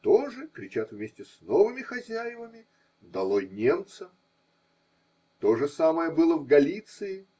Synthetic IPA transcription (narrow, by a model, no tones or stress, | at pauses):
t̪oʐɨkɾʲɪt͡ɕat̪vʲmʲesʲtʲɪsnovɨmʲɪxɐzʲæjɪvəmʲɪ | d̪ɐlˠojnʲe̞mt̪sə | t̪o̞ʐɨsaməjəbɨlˠəvɡɐlʲit̪sɨɪ